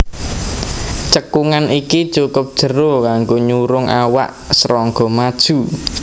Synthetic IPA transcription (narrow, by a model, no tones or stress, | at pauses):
t͡ʃəkuŋanʔikid̥ʒ̥okʊp̚d̥ʒ̥ə̤ɾokaŋɡoɲuɾʊŋʔawa̰ʔ | sɾɔŋɡɔmad̥ʒ̥ṳ